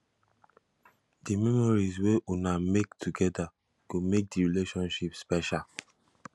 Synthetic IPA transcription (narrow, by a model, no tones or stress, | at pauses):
dimɛmɔɹizweʔunamektʰuɡɛda | ɡomek̚diɹileʃɔ̃nʃipspɛʃal